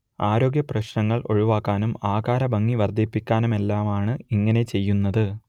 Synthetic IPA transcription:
aːɾo̞ːɡjɐprɐɕnɐŋːɐɭo̞̰ɻuʋaːkːaːnumaːkaːɾɐbɐŋːiʋɐrd̪ʱipːikʲːaːnume̞lːaːmaːɳɨiŋːɐne̞t͡ɕe̞jːunːɐðɨ

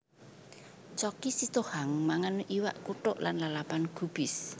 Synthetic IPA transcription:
t͡ʃɔkisit̪ohaŋmaŋanʔiwaʔkuʈʊʔlanlalapanɡ̥ub̥ɪs

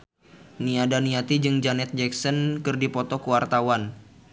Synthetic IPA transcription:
niadaniat̪id͡ʒɨŋd͡ʒanɛt̪̚d͡ʒɛksɔnkɨrdipɔt̪ɔkuwart̪awan

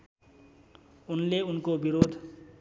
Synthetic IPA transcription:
unleunkobiɾod̪ʱ

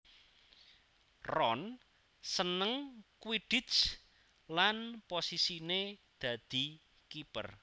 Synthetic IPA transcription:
rɔn | sənəŋkwiɖ̥itt͡ʃ | lanposisined̪̥ä̤d̪̥i̤ | kipər

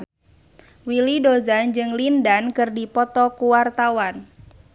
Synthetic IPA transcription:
wilidozand͡ʒɨŋlindankɨrdipɔt̪ɔkuwart̪awan

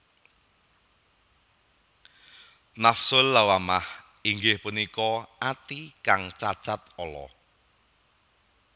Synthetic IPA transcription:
nafsʊlːawamah | iŋɡɪhpunikɔat̪ikaŋt͡ʃat͡ʃat̪̚ɔlɔ̰

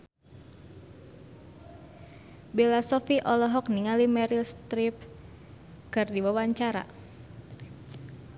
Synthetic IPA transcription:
belasɔfiʔɔlɔɦɔk̚niŋalimɛɾilst̪ɾip̚ | kɨrdiwawaɲt͡ʃaɾa̰

